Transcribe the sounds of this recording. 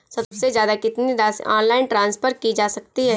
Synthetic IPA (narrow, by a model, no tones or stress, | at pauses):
sɐbsezjaːd̪akɪt̪nid̪asa̰ːnlaːɪnʈɾãːnspʰəɾkid͡ʒaːsɐkt̪iɦɛː